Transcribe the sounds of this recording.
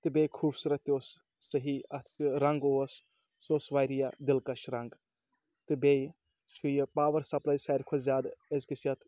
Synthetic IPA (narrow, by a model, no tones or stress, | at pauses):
t̪ɨbejkʰuːbsuɾɐt̪ʲoːsː | ɐɦiɐt̪ʰɾɐŋɡoɐs | soːsʋaːjɾijad̪ilkɐʃɾɐŋɡ | t̪ɨbej | t͡ʃʰujpaːʋɐɾsɐplɐjsaːjɾʲkʰozʲaːd̪ezkisjɐt̪